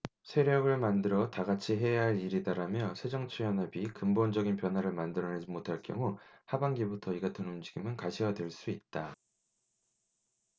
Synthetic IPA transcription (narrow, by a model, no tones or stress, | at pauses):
sʰe̞ɾjʌɡɯɭmandɯɾʌtaɡat͡ɕʰiɦe̞jaɦaɭiɾidaɾamjʌsʰe̞d͡ʑʌŋt͡ɕʰujʌnɦabikɯmbond͡ʑʌɡinpjʌnwaɾɯɭmandɯɾʌned͡ʑimotʰaɭk͈jʌ̰ŋuhabaŋɡibutʰʌiɡatʰɯnund͡ʑiɡimɯnkaɕʰiwadwe̞ɭs͈uit̚t͈a